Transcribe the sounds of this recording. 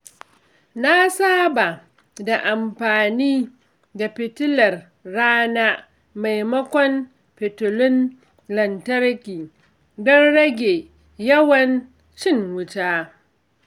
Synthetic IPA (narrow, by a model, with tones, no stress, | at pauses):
na˦saː˦ba˨ | da˨ʔa˨mɸaː˨niː˦ | da˨ɸɪ˨tʊ˦lɐ˨rː | aː˦naː˦ | ma˨jmɐ˦kʷɔ˦n | pɪ˨tʊ˨lʊ˦n | lɐ˨ntɐ˦ɾkʲiː˨ | dɐ˦nɽɐ˦ɡʲe˨ | jɐ˦wɐ˨n | t͡ʃɪ˦˨ŋwʊ˦taː˦